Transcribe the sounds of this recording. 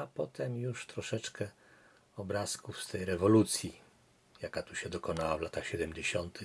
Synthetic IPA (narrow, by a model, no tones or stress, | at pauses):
apɔt̪ɛmjuʂt̪ɾɔʂɛt͡ʂkɛ | ɔbɾaskufst̪ɛjɾɛvɔlut̪sʲji | jakat̪uɕɛd̪ɔkɔnawavlat̪axɕɛd̪ɛmd͡ʑeɕɔnt̪ɘx